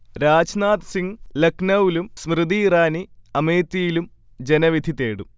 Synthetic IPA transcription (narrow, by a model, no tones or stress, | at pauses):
ɾaːd͡ʑnaːd̪siŋleknɐwilumsmrɨd̪iːraːniɐmeːt̪ːijilum | d͡ʑenɐʋid̪ʱit̪eːɽum